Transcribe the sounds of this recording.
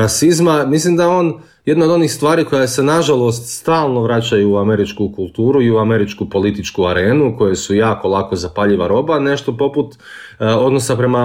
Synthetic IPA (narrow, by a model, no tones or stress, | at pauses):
asizmamislimd̪aeo̞ːn | jed̪naod̪o̞niːxst̪ʋaːɾiːko̞jase̞naʒalˠo̞st̪st̪aːlˠno̞ʋɾat͡ɕajuːame̞ɾit͡ʃkukulˠt̪uːɾuiuame̞ɾit͡ʃkupo̞lit̪it͡ʃkuaɾe̞ːnuko̞jesujaːko̞lˠako̞zapaʎiʋaɾo̞ːbane̞ʃt̪o̞po̞put̪ | o̞d̪no̞sapɾe̞ma